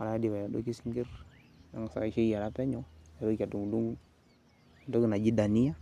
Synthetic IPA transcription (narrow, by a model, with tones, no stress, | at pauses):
a˨na˨˦a˦di˨wa˨ja˨do̰˦ki˦sŋɡi˦ɾ | a˨ŋ˨sa̰˨ʃe˦i˦ja˨ɾa˦pɛ˦ɲɔ˦a˨ɾo˦ka˨du˨ŋdu˦ŋ˨ | do˦ki˨na˨d͡ʒi˦da˨ni˦a˦